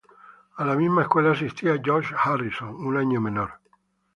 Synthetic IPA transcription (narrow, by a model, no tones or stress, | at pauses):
alamizmaeskwelaːs̬ist̪iad͡ʒoʃharisonunaɲomẽnoɾ